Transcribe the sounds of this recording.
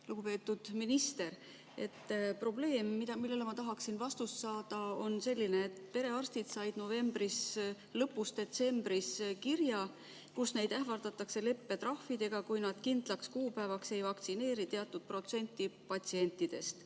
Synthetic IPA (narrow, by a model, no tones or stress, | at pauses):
luɡupe̞ːt̪ːˑud̪̥minist̪e̞ɾ | e̞t̪ːpro̞ble̞ːmːid̪ɑmilːe̞lemɑt̪ɑɦɑksinvɑst̪ussɑːd̪̥ɑo̞nse̞lʲːineːt̪pe̞ɾe̞ɑrst̪it̪sɑjd̪̥no̞ve̞mbɾis | lɤ̞pːˑust̪d̪e̞t̪se̞mb̥ɾiskirjɑ | kusne̞jd̪̥æhvɑrd̪ɑt̪ːˑɑkse̞le̞pːe̞t̪rɑhfid̪e̞ɡ̥ɑkujnɑd̪̥kind̪̥lɑkskuːpæevɑkse̞jvɑkt̪sine̞ːɾit̪eɑt̪ːˑud̪̥̚pro̞t̪se̞nʲt̪ˑːipɑt̪sie̞nʲt̪ˑːid̪̥e̞st̪